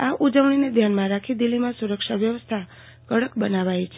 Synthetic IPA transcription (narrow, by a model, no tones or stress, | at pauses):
aʔud͡ʒəʋɳ̃ined̪ʱjanmãɾakʰid̪ilimãsuɾəkʃaʋjəʋəst̪ʰa | kəɽəkbənaʋajt͡ʃʰe